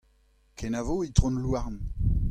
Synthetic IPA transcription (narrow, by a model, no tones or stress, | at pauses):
kʰenavoit̪ʁɔ̃nlwaʁn